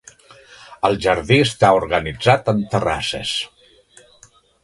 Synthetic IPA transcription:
əlˠʒəɾðiəst̪auɾɣənid͡zat̪ənt̪əra̰sə̰s

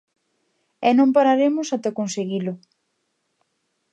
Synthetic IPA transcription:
ɛnõmpaɾaɾemʊsat̪ɛkonseɣilʊ

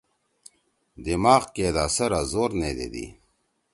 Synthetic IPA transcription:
d̪imaːʁkeːd̪aːsɐɾazoːɾneːd̪ḛd̪ḭ

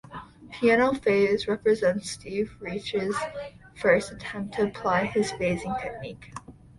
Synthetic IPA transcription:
pʰiæñoʊfeɪzɹɛpɹɨzɛ̃ntstivɹit͡ʃɪz̥ | fɜ˞stɨtʰɛ̃mp̚tʰɨːpʰl̥aɪɨz̥feɪzɪ̃ŋtʰɛk̚nik

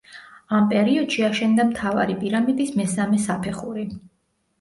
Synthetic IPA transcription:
ampʼɛɾiɔd̪̥ʃiaʃɛnd̪amt̪ʰava̰ɾipʼiɾamid̪ismɛsamɛsapʰɛχuɾi

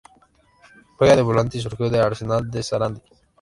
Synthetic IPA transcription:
pojad̪ebulant̪is̬uɾkʰeod̪eaɾsenald̪esaɾand̪i

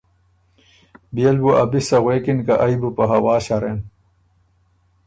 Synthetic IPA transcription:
bijɐlbuʔɐbisɐɣweːkinkɐʔɐjbupɐɦɐwaːɕɐɾen

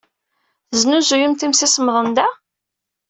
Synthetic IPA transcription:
θəznuzujəmt̪imsisəməðˤənd̪æ

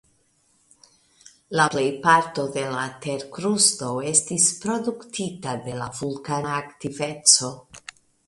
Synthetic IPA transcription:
laple̞jpaɾto̞de̞late̞ɾkɾusto̞e̞stispɾo̞duktitade̞la̰vulkanaːktive̞t͡so̞

